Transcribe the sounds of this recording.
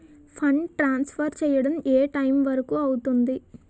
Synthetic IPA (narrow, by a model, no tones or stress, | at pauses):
pʰɐɳʈɾaːnspʰɐɾt͡ʃɛːjɐɽɐmeːʈɐjmʋɐɾɐkuːɐwut̪und̪i